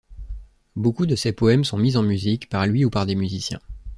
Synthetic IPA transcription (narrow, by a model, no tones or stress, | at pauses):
bokud̪əsepɔɛmsɔ̃mizɑ̃myzikpaʁlɥiupaʁd̪emyzisjɛ̰̃